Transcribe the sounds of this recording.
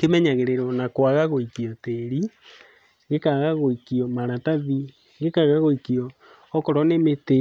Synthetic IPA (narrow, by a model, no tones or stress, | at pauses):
kemɛɲaɣeɾeɾɔnakwaɣaɣoikiɔteɾi | ɡekaɣaɣoikiɔmaɾataði | ɡekaɣaɣoikiɔː | kɔɾɔnemete